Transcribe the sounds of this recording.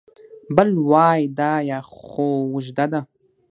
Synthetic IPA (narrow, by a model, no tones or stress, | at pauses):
bɨlwaːjdajaχowʊʒdada